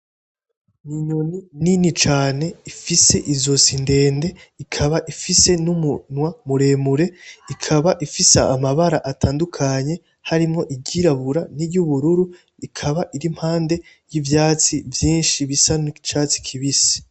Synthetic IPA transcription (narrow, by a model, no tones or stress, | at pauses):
niɲonininit͡ʃaːne̞ifise̞ʔizo̞sinde̞ːnde̞ikʰaβaʔifise̞numunwamuɾe̞ːmuɾe̞ikʰaβaʔifisaamaβaɾaʔatʰaːndukʰaɲe̞ | haɾimŋo̞ʔiɟiɾaβuɾaniɾjuβuɾuɾu | ikʰaβaʔiɾim̥haːnde̞ | jivjaːt͡sivjiːnʃiβisanit͡ʃaːt͡si̥kʰiβisi̥